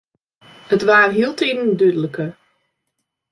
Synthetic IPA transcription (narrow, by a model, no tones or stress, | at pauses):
hətʋaːrɦilˠtʰeːdəndødələkə